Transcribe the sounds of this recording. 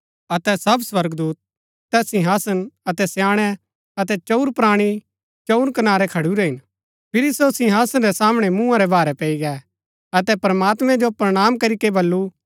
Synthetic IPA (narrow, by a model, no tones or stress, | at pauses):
ɐt̪ɛsɐbswɐɾɡd̪uːt̪̚ː | ɛsɪ̃ɦaːsənɐt̪ɛsjãːɽ̃ɛ | ɐt̪̬ɛt͡ʃɐuɾpɾaːɽ̃i | t͡ʃɐuɾkɐnaːɾɛkʰɐɽuɾɛɦɪn | pʰɪɾisosɪ̃ɦaːsənɾɛsaːmɽ̃ɛmũːãɾɛbaːɾɛpɛiɡɛ | ɐt̪ɛpɾəmaːt̪mɛ̃d͡ʒopɾɐɽ̃aːmkɐɾikebɐlːu